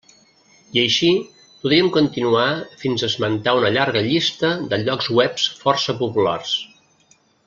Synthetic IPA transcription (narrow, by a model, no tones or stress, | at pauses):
iəjʃi | puðɾiəmkunt̪inuafinzəzmənt̪aunəʎaɾɣəʎist̪əðəʎɔkzwɛpsfɔrsəpupula̰rs